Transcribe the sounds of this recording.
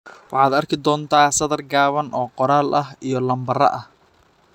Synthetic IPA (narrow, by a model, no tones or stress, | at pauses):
wɑħɑːd̪ɐrkʰɪd̪ɔːnt̪ʰaːsɐðɐrɡaːβɐnʔɔːqɔɾaːlʔɐɦijɞlɐmbɐrɐ̰ʔɐh